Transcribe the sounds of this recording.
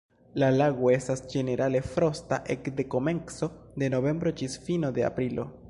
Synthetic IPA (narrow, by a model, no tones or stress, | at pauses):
lalaɣoestasd͡ʒe̞ne̞ɾale̞fɾo̞st̪aʔekd̪e̞ko̞me̞ŋkso̞d̪e̞no̞βe̞mbɾot͡ʃisfinod̪e̞a̰pɾilo̞̰